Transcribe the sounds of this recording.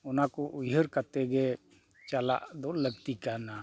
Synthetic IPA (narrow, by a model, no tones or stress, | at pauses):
ʊnakoʔujɦəɾkat̪ɛɡɛ | t͡ʃala̰ʔd̪ɔləɡt̪ikana